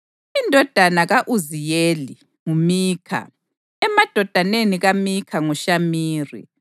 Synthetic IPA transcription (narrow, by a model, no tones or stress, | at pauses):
indʱɔd̥ʱanaɣaʔuzijeli | ŋumiːkʰa̰ | ɛmad̥ʱɔd̥ʱaneniɣamikʰaŋuʃamiːrḭ